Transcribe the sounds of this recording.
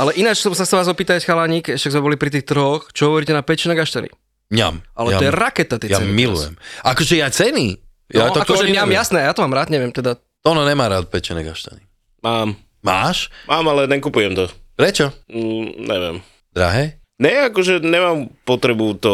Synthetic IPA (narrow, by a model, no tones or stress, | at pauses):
alɛʔinat͡ʃsɔmsasaʋaːzɔpiːt̪acxalaɲiːkɛʃaɡzmɛbɔlipɾit̪̬iːxt̪r̩ɦɔxt͡ʃɔɦɔʋɔɾiːcɛnapɛt͡ʃɛnɛɡaʃt̪anḭ | ɲa̰mʔalɛaɔjɛɾakɛt̪at̪ɛjaɛmːilṵjɛ̰mʔakɔʒɛjat͡sɛni | jat̪ɔat̪ɔɛɲamjasnɛːajat̪ɔmaːmɾaːt̪ɲɛʋjɛmt̪ɛd̪a | t̪ɔɔnɔɲɛmaːɾaːt̪̚pɛt͡ʃɛnɛ̰ɡaʃt̪a̰ni | maːm | ma̰ːʃmaːmalɛɲɛkupujɛmt̪ɔpɾɛt͡ʃɔ | ɲɛ̰ʋjɛ̰m | d̪ɾa̰ɦɛː | ɲɛakɔʒɛɲɛmaːmpɔt̪ɾɛbut̪ɔ